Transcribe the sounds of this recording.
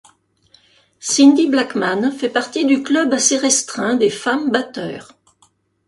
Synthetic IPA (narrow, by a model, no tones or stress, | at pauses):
sind̪iblakmanfɛpaʁt̪id̪yklœbaseʁɛst̪χɛ̃d̪efambat̪œ̰ːʁ